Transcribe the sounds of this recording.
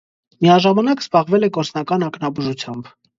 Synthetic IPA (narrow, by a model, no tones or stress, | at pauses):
mijɑʒɑmɑnɑkz̥bɑʁvɛlɛkɔɾt͡snɑkɑnɑknɑbuʒut͡sʰjɑmb